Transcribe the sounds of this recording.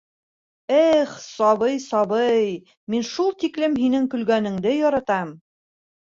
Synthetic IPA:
æχsɒβɤjsɒβɤj | minʃulˠt̪iklɘmɦinɘŋkɵ̆lɡænɘ̆ŋd̪ɘjɒɾɑt̪ɑm

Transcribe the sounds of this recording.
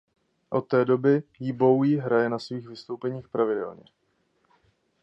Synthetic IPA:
ʔo̞t̪ːɛːdo̞bɪjɪbo̞wjiɦɾajɛnasviːɣvɪst̪o̞wpɛɲiːxpɾavɪdɛ̰lɲɛ

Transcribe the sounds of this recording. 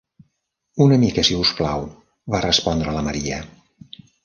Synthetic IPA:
unəmikəsiusplaw | βarəspɔnd̪ɾələməɾiə

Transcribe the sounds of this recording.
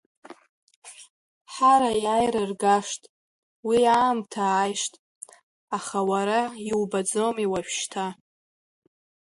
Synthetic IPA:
ħaɾajajrɨrɡaʂtʼ | wiaːmtʰaːjʂtʼ | aχawaɾaiwbad͡zomiwaʃᶣʃtʰa

